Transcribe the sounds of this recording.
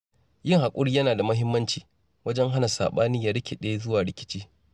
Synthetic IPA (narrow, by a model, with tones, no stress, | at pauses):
jɪ˦ŋha˨kʷʼʊ˦ɽi˦jɐ˦naː˨da˨mɐ˦ɦɪ˦mːɐ˦nt͡ʃiː˨ | wɐ˦d͡ʒɛ˦ŋɦa˦na˨sa̰ː˨ɓaː˦ni˦ja˨ɾɪ˦kʲe˨ɗe˦jzʊ˦waː˨ɽɪ˨kʲɪ̥˦t͡ʃiː˦